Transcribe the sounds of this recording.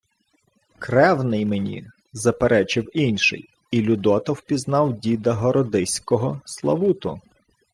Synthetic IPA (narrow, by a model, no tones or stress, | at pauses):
kɾɛwnɪjmenʲḭ | zɐpeɾʔɛt͡ʃɪwinʲʃɪ̰j | ilʲʊd̪ɔt̪ɔwpʲiznɑwdʲid̪ɐɦɔɾɔd̪ɪsʲkɔɦɔslˠɐ̰ʋut̪ʊ̰